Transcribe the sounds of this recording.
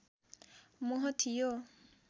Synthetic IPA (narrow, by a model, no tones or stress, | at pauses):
mɔɦɔt̪ʰijo